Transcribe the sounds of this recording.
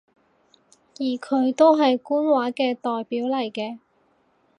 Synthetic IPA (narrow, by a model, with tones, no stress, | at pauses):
jiː˨˩kʰɵ˨˧ɥt̪o˥wɦɐ˨jkuː˥nwaː˨˥kɛː˧t̪ɔː˨jpiː˨˥wlɐ˨˩jkɛː˧